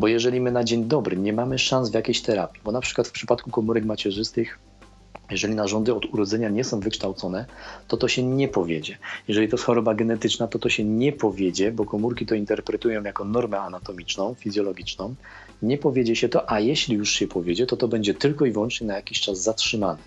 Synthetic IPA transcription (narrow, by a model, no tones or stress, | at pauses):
bɔjɛʐɛlʲimɘnad͡ʑeɲd̪ɔbɾɘɲɛmamɘʂãnzvjakʲejɕt̪ɛɾapʲibɔnapʂɘ̥kwat̪fpʂɘpat̪kukɔmuɾɛkmat͡ɕɛʐɘst̪ɘx | jɛʐɛlʲinaʐɔnd̪ɘɔd̪uɾɔd̪zɛɲaɲɛsɔ̃w̃vɘkʂt̪awt̪sɔnɛt̪ɔt̪ɔɕɛɲɛpɔvʲjed͡ʑɛjɛʐɛlʲit̪ɔjsxɔɾɔbaɡɛn̪ɛt̪ɘt͡ʂnat̪ɔt̪ɔɕɛɲɛpɔvʲjed͡ʑɛbɔkɔmuɾkʲit̪ɔint̪ɛɾpɾɛt̪ujɔ̃w̃jakɔnɔɾmɛanat̪ɔmʲit͡ʂnɔ̃w̃fʲizʲjɔlɔɡʲit͡ʂnɔ̃w̃ | ɲɛpɔvʲjed͡ʑɛɕɛt̪ɔʔajɛɕlʲijuʂɕɛpʰɔvʲjed͡ʑɛt̪ɔt̪ɔbɛɲd͡ʑɛt̪ɘlkɔivwɔnt͡ʂɲɛnajakʲiɕt͡ʂazːatʂɘmanɛ